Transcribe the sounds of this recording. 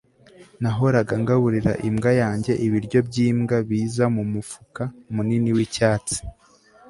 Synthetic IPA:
naɦo̞ɾaɡaŋɡaβuɾiɾa̰ʔimɡajaːɲɟe̞ʔiβiɾɟo̞bɟiːmɡaβiːzamumufu̥kamuniniwicaːt͡si̥

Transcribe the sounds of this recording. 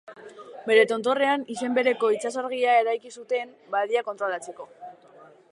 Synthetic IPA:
be̞ɾe̞t̪o̞nt̪o̞re̞anise̞mbe̞ɾe̞ko̞it͡sasaɾɣiaeɾajkisut̪e̞m | baðiako̞nt̪ɾo̞lat͡se̞ko̞

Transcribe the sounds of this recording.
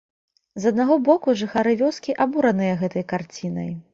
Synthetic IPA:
zɐd̪̚naɣɔbɔkuʐɨxaɾɨvʲɔskʲiʔabuɾɐnɨjɐɣɛt̪ɐjkart͡sʲinɐ̰j

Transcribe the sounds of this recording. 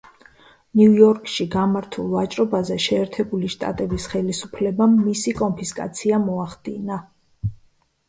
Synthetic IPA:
niujɔɾkʼʃiɡamaɾt̪ʰulˠvat͡ʃʼɾɔbazɛʃɛːɾt̪ʰɛbuliʃt̪ʼa̰t̪ʼɛbisχɛlisupʰlɛbamːisikʼɔnpʰiskʼa̰t̪sʰiamɔaχd̪ḭna

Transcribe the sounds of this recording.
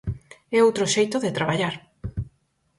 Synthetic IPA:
ɛowt̪ɾoʃejt̪oðet̪ɾaβaʎaɾ

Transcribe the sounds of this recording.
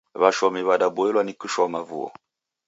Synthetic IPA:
βaʃɔmiβadabɔɛlwanikuʃɔmavṵɔ̰

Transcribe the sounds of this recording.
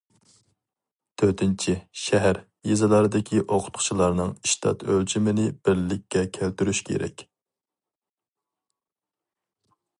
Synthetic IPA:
t̪ʰøɾt̪ʰɪnt͡ʃʰiʃɛɦæɾ | jezɨlˠɑɾɨd̪ɪkʲʰiʔoqʰʊ̥t̪̚qʰʊ̥t͡ʃʰilˠɑɾnɨŋiʃt̪ʰɑ̰t̪ʰøld͡ʒimɪnɪb̥ɪɾlɪkʲːɛkʲʰælt̪yɾyʃkʲʰḛɾɛ̰kʲ

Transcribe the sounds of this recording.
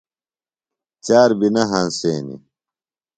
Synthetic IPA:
t͡ɕaːɾbinɐɦanseːnḭ

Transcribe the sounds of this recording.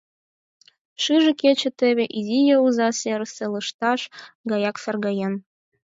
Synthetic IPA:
ʃɨʒĕket͡ɕĕt̪ĕβʲeʔizʲijeuzɑseɾəselɯʃt̪ɑʃɡɑjɑksɑrɣɑjen

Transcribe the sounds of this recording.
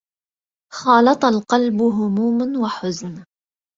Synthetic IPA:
xɑːlɑt̪ˤɑlqɑlbʊɦʊmuːmwaħʊzn

